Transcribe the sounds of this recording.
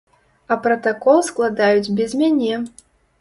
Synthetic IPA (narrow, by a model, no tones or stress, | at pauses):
ɐpɾɐt̪akɔlˠsklˠad̪ajud͡zʲbʲɛzʲmʲanʲɛ